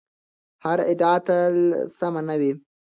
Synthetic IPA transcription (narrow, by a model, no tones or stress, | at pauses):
haɾɪd̪ɑt̪alsamanawi